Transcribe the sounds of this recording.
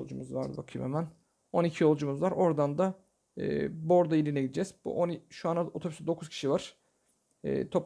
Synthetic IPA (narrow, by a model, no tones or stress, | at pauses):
olˠd͡ʒumuzvaɾd̪ɯbakʰɯjmemæn | o̞nicʰijo̞lˠd͡ʒumuzvaɾo̞ɾd̪and̪a | ɯ̰ːbo̞ɾd̪ailʲinɛɟid̪d͡ʒɛzbṵʔonʃuanaot̪ʰobysd̪o̞kʰuz̥cʰi̥ʃivaɾ̥ | ɯ̰ːt̪ʰo̞p